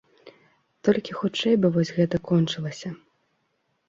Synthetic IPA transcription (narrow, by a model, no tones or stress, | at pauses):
t̪ɔlʲkʲixut͡ʂɛjbɨvɔsʲɣɛt̪ɐkɔnt͡ʂɨlˠɐsʲɐ